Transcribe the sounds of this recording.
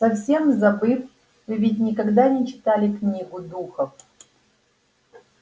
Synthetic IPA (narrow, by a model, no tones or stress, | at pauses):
sɐfsʲemzɐbɨf | vɨvʲitʲnʲɪkɐɡd̪anʲɛt͡ɕɪ̥t̪alʲɪknʲiɡʊd̪uxɐf